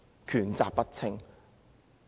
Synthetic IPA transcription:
kʰyː˨˩nt͡sa̰ː˨ppɐ˥t̚t͡sʰɪ˧ŋ

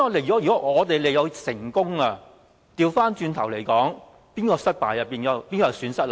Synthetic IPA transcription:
ɔ˨˧ljɔ˨˦˥jyː˨˩kɔ˦˥ŋɔː˨˧t̪e˨jle˨jɐ˨˧wsɪ˨˩ŋkʊ˥ŋa˧ | t̪iː˧wfaː˥nt͡ʃyː˧nt̪ʰɐ˨˩wle˨˩jkɔː˨˥ŋ | piː˥nkɔː˧sɐ˥t̚paː˨˩jɐ˨p̚ːiː˨˩nɐ˨˧piː˥nkɔː˧jɐ˨˧syː˨˥nsɐ˥t̚l

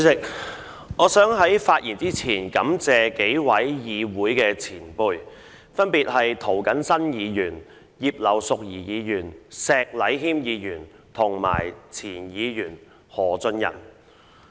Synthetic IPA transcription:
sɪ˨˧k̚ | ŋɔː˨˧sœː˨˥ŋɦɐ˨˥jfaː˧t̚ʔiː˨˩nt͡siː˥t͡sʰiː˨˩nkɐ˨˥mt͡sɛː˨˧ke˨˥jwɐ˨˥jjiː˨˧wuː˨˥jkɛː˧t͡sʰiː˨˩npuː˧j | fɐ˥npiː˨t̚hɐ˨jt̪ʰo˨˩wkɐ˨˥nsɐ˥njiː˨˧jyː˨˩n | jiː˨˧p̚lɐ˨˩wsʊ˨k̚jiː˨˩jiː˨˧jyː˨˩nsɛː˨˧k̚lɐ˨˧˥jɦiː˥mjiː˨˧jyː˨˩n | t̪ʰʊ˨˩ŋma̰ː˨˩jt͡sʰiː˨˩njiː˨˧jyː˨˩n | hɔː˨˩t͡sɵ˧njɐ̰˨˩n

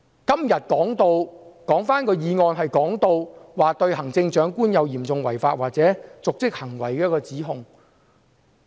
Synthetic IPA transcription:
kɐ˥mjɐ˨t̚kɔː˨˥ŋt̪o˧wkɔː˨˥ŋfaː˥nkɔː˧jiː˨˧ŋɔː˧nɦɐ˨jkɔː˨˥ŋt̪o˧wwaː˨t̪ɵ˧ɥhɐ˨˩ŋt͡sɪ˧ŋt͡ʃœː˨˥ŋkuː˥njɐ˨˧wjiː˨˩mt͡sʊ˨ŋwɐ̰˨˩jfaː˧˥t̚waː˨k̚t͡sɛː˨˥t͡sʊ˨k̚t͡sɪ˥k̚hɐ˨˩ŋwɐ˨˩jkɛː˧˥kɔː˧t͡siː˨˥ɦʊ˨ŋ

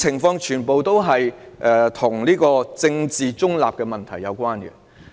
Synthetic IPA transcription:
ɪ˨˩ŋfɔː˧ŋt͡ʃʰyː˨˩npo˨wt̪o˥wɦɐ˨jʔɛ˨˩t̪ʰʊ˨˩ŋliː˥kɔː˧t͡sɪ˧ŋt͡siː˨t͡sʊ˥ŋla̰ː˨p̚kɛː˧mɐ˨nt̪ʰɐ˨˩jːɐ˨˧wkʷaː˥nkɛ̰˧

